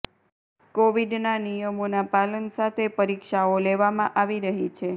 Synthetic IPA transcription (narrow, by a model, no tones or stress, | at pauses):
koʋiɖnanijəmonapalənsat̪ʰepəɾikʃaoleʋamãʔaʋiɾəɦit͡ʃʰe